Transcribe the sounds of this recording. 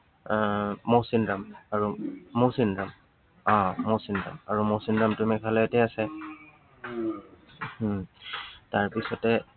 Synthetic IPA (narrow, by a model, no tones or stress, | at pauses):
osindamaɹumosindɹam | ãmosinda̰maɹumosindɹamtʊmɛkʰalɛɛtɛasɛ | taɹpisɔtɛ